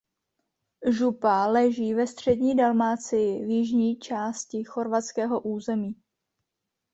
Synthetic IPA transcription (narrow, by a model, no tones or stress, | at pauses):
ʒupalɛʒiːvɛst̪r̝̥ɛdɲiːdalmaːt͡sɪjɪvjɪʒɲiːt͡ʃaːscɪxo̞ɾvatt͡skɛːɦo̞ʔuːzɛmiː